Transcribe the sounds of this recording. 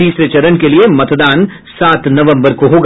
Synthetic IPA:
iːsɾet͡ʃɐɾənkeliemɐt̪d̪aːn | saːt̪nɐʋə̃mbəɾkoɦoːɡ

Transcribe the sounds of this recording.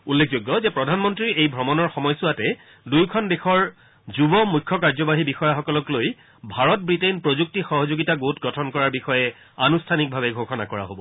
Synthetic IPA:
ulːek̚ʰzoɡːɔzɛpɹɔdʱanmɔntɹiɹejbʱɔmɔnɔɹxɔmɔjsuatɛ | dujkʰɔndexɔɹ | zubɔmujkʰːɔkaɹzɔbaɦibixɔjaxɔkɔlɔkloj | bʱaɹɔt̚bɹitenpɹozuk̚tixɔɦɔzoɡitaɡoutɡɔtʰɔnkɔɹaɹbixɔjɛ | anustʰanik̚bʱabɛɡʱokʰɔnakɔɹa̰ɦobɔ

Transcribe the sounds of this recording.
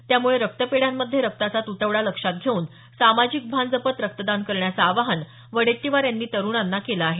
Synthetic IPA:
t̪jamuɭeɾək̚t̪əpeɽjamːəd̪ʱːjeɾək̚t̪at͡sat̪ut̪əʋɽaləkʂat̪̚ɡʱeuːn | samad͡ʑik̚bʱand͡zəpət̪ɾək̚t̪əd̪ankəɾɳjat͡saːʋaɦən | ʋəɽeʈːiʋaɾjanːiːt̪əɾuːɳanːakelaaɦe

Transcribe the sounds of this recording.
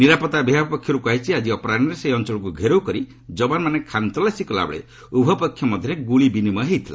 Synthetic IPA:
niɾapɔt̪abiɦapɔkʰːjɔɾukuajt͡ʃʰiad͡ʒiɔpɔɾanɔɾeseɔnt͡ʃɔɭɔk̬uɡʱeɾowkɔɾi | d͡ʒɔbanmanekʰant̪ɔlasikɔla̰bɔ̰ɭḛ | ubʱɔpɔkʰːjɔmɔd̪ʱjɔɾeɡuɭibinimɔɦejt̪ʰila̰

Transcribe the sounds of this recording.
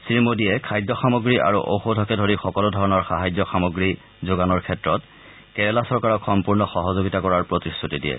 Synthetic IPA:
siɹimodijɛkʰajdɔxamoɡɹiʔa̰ɹṵʔo̰wxodʱɔkɛdʱoɹixɔkɔludʱɔɹɔnɔɹxaɦajzɔxamoɡɹi | zoɡanɔɹkʰɛtɹɔt | kɛɹɛlasɔɹkaɹɔkxɔmpuɹnɔxɔɦɔzoɡitakɔɹaɹpɹotistʰutidijɛ̰

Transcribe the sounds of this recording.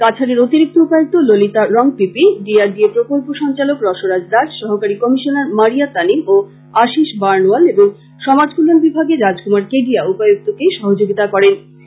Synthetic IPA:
kat͡ɕʰaɾeɾot̪iɾik̚t̪oupajok̚t̪ololit̪aɾɔŋpipiɖiaɾɖiepɾokolpoʃɔŋt͡ɕalokɾɔʃoɾad͡ʑd̪aʃʃɔɦokaɾikɔmiʃonaɾmaɾiat̪alimo | aʃiʃbaɾnualeboŋ | ʃɔmad͡ʑkulonbibʱaɡeɾad͡ʑkumaɾkeɖiaupajoɡ̚t̪okeʃɔɦod͡ʑoɡit̪akɔɾen

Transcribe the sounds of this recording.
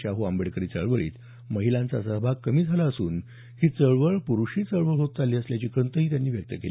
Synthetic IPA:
t͡ɕaɦuambəɽkəɾiːt͡səɭʋəɭḭːt̪ | məɦilãnt͡sa̰səɦbʱakːəmiːd͡zʱalaəsuːn | hiːt͡səɭʋəɭpuɾuɕiːt͡səɭʋəɭɦot̪̚t͡saliːəsljat͡ɕiːkɾənt̪əɦiːt̪janːiːʋjək̚t̪əkeli

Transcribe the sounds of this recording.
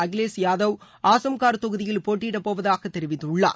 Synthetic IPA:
ɐɡleːsjaːðɐʋ | aːsɐmkaːɾt̪ɔɣɯðɪjɪlpoːʈːɪɽɐpːoːʋɐðaːɣɐt̪ːɛɾɪʋɪt̪ːʊɭːa̰ː

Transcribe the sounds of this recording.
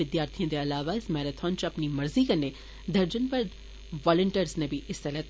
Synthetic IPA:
ɪd̪jaːɾt̪ʰiãd̪eɐlaːʋaɪsmɛːɾət̪ʰɔːnt͡ʃɐpnimɐɾziːkɐne | d̪ɐɾd͡ʒənpɐɾd̪ | ʋɔːləɳʈəɾznẽbʱiʔɪst̪ɐlɛt̪

